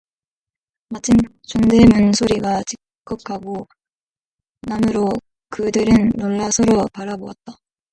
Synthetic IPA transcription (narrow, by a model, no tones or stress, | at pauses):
mat͡ɕʰɯn | t͡ɕoŋdemunsʰoɾiɡat͡ɕikk͈ʌp̚kʰaɡo | namɯɾo | kɯdɯɾɯnːoɭːasʰʌɾopaɾaboat̚t͈a